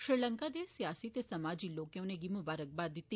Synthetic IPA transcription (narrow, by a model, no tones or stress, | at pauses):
ʃɾiləŋkad̪esjasit̪esəmad͡ʒilokjõneɡimubaɾək̚bad̪it̪ːi